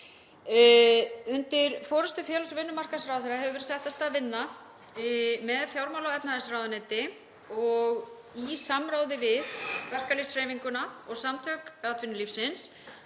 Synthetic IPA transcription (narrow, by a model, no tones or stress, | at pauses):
ʏnt̪ɪɾfɔːɾʏst̪ʏfjɛːlasvɪnːʏmar̥kasɾawθɛɾaɦɛvʏvɛɾsɛht̪ast̪avɪnːa | mɛðfjawɾmawlawɛpnaðɛsɾaːwðanɛːt̪ɪ | ɔɣ | isamɾaːwðɪvɪðvɛr̥kalɪsrɛːjviŋkʏnaɔɣsamt̪ʰœkat̪ʰvɪnʏlifsɪns